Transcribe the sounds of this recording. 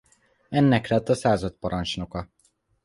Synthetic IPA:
ɛnːɛklɛt̪ːɒsaːzɒt̪̚pɒɾɒnt͡ʃno̞kɒ

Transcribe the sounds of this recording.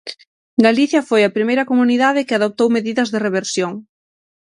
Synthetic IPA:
ɡaliθjɐfojɐpɾimejɾɐkomuniðaðɪkɪaðop̚t̪owmeðiðɐzðɪreβeɾsjoŋ

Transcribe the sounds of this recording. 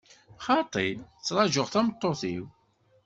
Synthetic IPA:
χɑt̪ˤit͡sːɾˤɑʒʊʁθæmət̪ˤːoθiw

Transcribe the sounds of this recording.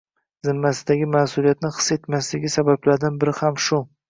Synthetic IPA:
zɪmːasɪd̪aɡʲɪmaːsʊlijat̪nɪχɨ̥se̞t̪maslɪɡʲɪsabablaɾd̪anbɪɾɪhamʃʊ

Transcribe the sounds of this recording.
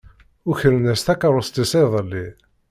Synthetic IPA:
ʊçəɾənæst̪ækəɾˤost̪isˤeðˤəlːi

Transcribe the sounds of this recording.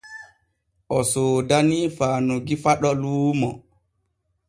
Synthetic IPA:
ʔɔsoːdanifaːnuɡifaɗɔluːmɔ

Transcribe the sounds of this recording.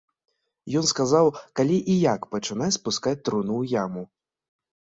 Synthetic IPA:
jɔnskazawkalʲiʔijakpɐt͡ʂɨnaspuskat͡sʲt̪ɾunujamu

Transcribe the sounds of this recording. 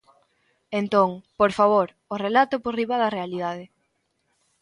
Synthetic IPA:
ent̪õŋpoɾfaβ̞oɾ | orelat̪ʊporiβaðɐrealiðað̞e

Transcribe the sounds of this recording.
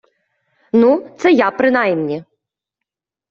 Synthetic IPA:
nut̪sɛjapɾɨnajmnʲi

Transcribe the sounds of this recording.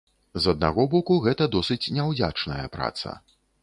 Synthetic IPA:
zɐd̪̚na̰ɣɔbɔkuɣɛt̪ɐd̪ɔsɨt͡sʲnʲɛwd͡zʲat͡ʂnɐjɐ̰pɾa̰t̪sɐ̰

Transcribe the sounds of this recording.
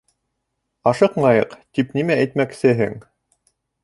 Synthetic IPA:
ɑʃɤqmɑjɤqt̪ipnimæːjt̪mæksɘɦɘ̰ŋ

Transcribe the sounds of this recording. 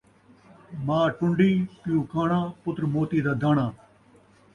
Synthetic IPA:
mãːʈʊɳɖiːpɪjũːkʰaːɳãːpʊt̪ɾmoːt̪iːd̪aːd̪aːɳãː

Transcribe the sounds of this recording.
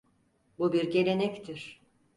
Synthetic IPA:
bubiɾɟe̞lʲe̞nɛct̪ʰiɾ̥

